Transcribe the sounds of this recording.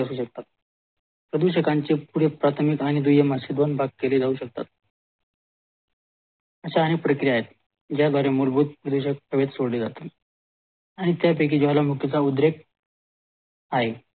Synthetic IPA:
əsuːɕək̚t̪at̪̚ | pɾəd̪uɕəkaɲt͡ɕepuɽ̤epɾat̪ʰmikaɽ̃id̪ujeməsid̪ʋənbʱaɡ̚keleːd͡zauːɕək̚t̪a̰t̪̚ | əɕaːñek̚pɾəkɾijaɦet̪ | d͡ʑjad̪ʱwaɾemulbud̪̚pɾəd̪uɕək̚əʋet̪soɽled͡zat̪e | aɽ̃it̪japek̬id͡ʑoɦalamukjət͡saud̪ɾek̚ | aɦe

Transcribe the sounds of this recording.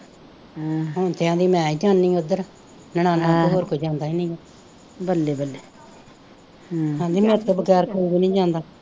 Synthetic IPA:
ɦoːnt̪eãːd̪iːmɛ̃ːid͡ʒãːnːĩːəd̪əɾ | nəɽ̃ãːnaːdəɦoːɾkʰoid͡ʒãːnd̪aːiːnĩːɛ | bəlːeːbəlːeː | ɦãːd̪iːmɛɾt̪əbəɡɛːɾkoːiːbiːnĩːd͡ʒãːnd̪aː

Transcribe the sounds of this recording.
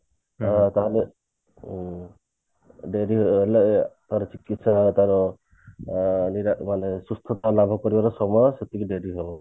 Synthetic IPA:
t̪aɦalɛ | ɖeɾiɦɔləʔt̪aɾɔt͡ʃikit̪sat̪aɾɔ | niɾamanesust̪ʰɔt̪ɔlabʱɔkɔɾibaɾɔsɔmɔsɔt̪ikiɖeɾiɦɔbɔ

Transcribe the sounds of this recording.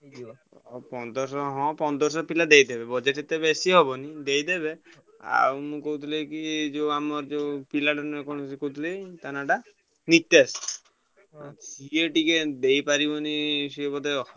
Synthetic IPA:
pɔnd̪ɔɾsɔɦɔ̃pɔnd̪ɔɾs̬ɔpilad̪ejd̪ebebɔd͡ʒeʈet̪ebesiɦɔbɔnid̪ejd̪ebe | a̰umũkout̪ʰilekid͡ʒeamɔɾd͡ʒepilaʈanuekɔɽ̃sikout̪ʰilet̪anaʈa | nit̪ːas | sieʈiked̪ejpaɾibɔnisiebɔd̪eɔ

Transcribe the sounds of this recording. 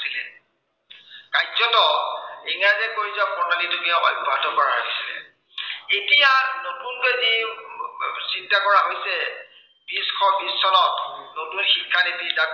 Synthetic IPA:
silɛ | kajzɔtɔiŋazɛkoɹizapɔɹnanitʊkiaɔ̰jbʱatɔkɔɹaɦojsilɛ̰ | etijanotunkezi | sintakɔɹaɦojsɛ | biskʰɔbisːɔnɔtnotunxikʰːanepiza

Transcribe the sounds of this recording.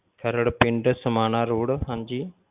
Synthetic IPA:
kʰəɾəɽpɪɳɖsəmaːnaːɾuːɽɦãnd͡ʒiː

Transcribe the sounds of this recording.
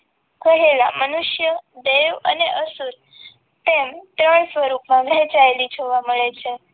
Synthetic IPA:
kəɦeɭa̰mənuʃjəd̪eʋəneʔəsuɾ | t̪emt̪ɾəɳsəɾukmãʋʱɛ̃t͡ʃaelit͡ʃʰoʋaməɭet͡ʃʰe

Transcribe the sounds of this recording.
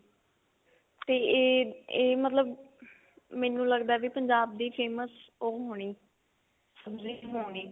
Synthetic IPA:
t̪eːeːmət̪ləb | mɛ̃ːnũːləɡd̪aɛːʋipəɲd͡ʒaːb̚d̪iːpʰeːməsoːɦoːɽ̃iː | səbziːɦoːɽ̃iː

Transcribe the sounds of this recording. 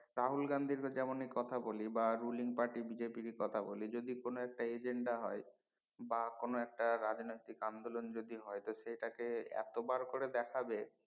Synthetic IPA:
ɾaɦulɡand̪ʱiɾd͡ʑɛmonekɔt̪ʰabolibaɾuliŋpaɾʈibid͡ʑepiɾikɔt̪ʰabolid͡ʑod̪ikonoɛk̚ʈaed͡ʑeɳɖaɦɔe | bakonoɛk̚ʈaɾad͡ʑnojt̪ikand̪olond͡ʑod̪iɦɔet̪oʃejʈakeɛ̰t̪obaɾkoɾed̪ɛkʰabe

